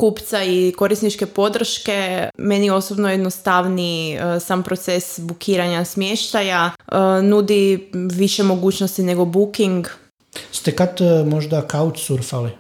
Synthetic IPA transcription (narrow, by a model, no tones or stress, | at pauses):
kuːpt̪saiko̞ɾisnit͡ʃke̞po̞d̪r̩ʃke̞me̞nio̞sobnojed̪nost̪aʋnisampɾot̪se̞sbukʰiːɾaɲasmjeʃt̪ajaənud̪iʋiʃe̞mo̞ɡuːt͡ɕnost̪ine̞ɡo̞bukiŋɡ | st̪ekat̪moʒd̪akaut͡ʃsuɾfali